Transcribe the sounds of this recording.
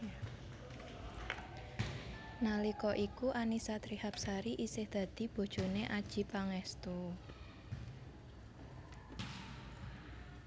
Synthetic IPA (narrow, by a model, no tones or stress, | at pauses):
nalikɔʔikuʔanisat̪ɾihap̚saɾiʔisɪhd̪̥ä̤d̪̥i̤b̥o̤d̥ʒ̥o̤neʔad̥ʒ̥i̤paŋɛst̪u